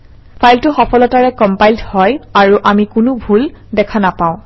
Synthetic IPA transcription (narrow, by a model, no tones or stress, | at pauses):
pʰajltʊxɔpɔlɔtaɹɛkɔmpajldhɔjaɹuʔamikʊnʊbʱuldɛkʰanapãʊ̃